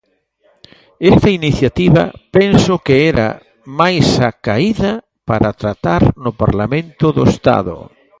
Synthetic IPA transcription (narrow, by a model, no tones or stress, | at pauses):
est̪ɐiniθjat̪iβɐ̰pɛnsʊkeɛɾa̰ | majsakaiðɐ | paɾat̪ɾat̪aɾnʊpa̰ɾlamẽnt̪ʊðo̰est̪a̰ðʊ̰